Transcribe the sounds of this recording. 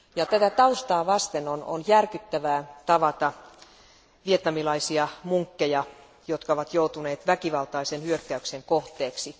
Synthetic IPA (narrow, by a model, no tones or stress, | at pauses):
jɑt̪æt̪æt̪ɑust̪ɑːʋɑst̪enono̰njærkyt̪ːæʋæːt̪ɑʋɑt̪ɑ | ʋiet̪nɑmilɑisiɑmuŋkːejɑ | jot̪kɑoʋɑt̪jout̪uneːt̪ʋækiʋɑlt̪ɑisenhyøkːæykseŋkoht̪ːˑeːksi